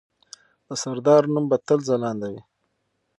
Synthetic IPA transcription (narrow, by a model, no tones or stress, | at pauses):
d̪̥əsaɾd̪ɑɾnumbat̪əlzalɑnd̪awi